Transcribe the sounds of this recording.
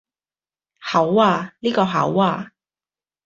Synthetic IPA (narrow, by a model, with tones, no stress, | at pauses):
hɐ˨˥waː˧liː˥kɔː˧ɦɐ̰˨˥waː˧